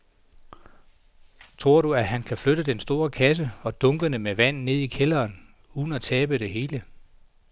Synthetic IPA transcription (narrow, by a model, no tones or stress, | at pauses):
t͡sʰʁo̝ɐ̰ɾuæɦænkʰæfløɾəd̥ensd̥o̝ːɐkʰæs̬əɒ̽d̥ɔ̽ŋɡ̥ənəmeʋæn̰ne̝ð̞̰ˠikʰelɐːn | uːðˠn̩æt͡sʰɛːb̥əɾ̥e̝ɦe̝ːlə